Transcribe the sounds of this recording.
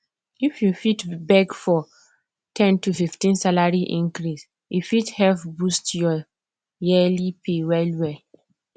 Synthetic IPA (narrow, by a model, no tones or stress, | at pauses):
ifjufitbɛɡfɔ | tʰɛ̃ntufiftĩnsalaɹiʔĩnkɾis | jufithɛlfbustjɔ | jɛlipʰewɛlwɛ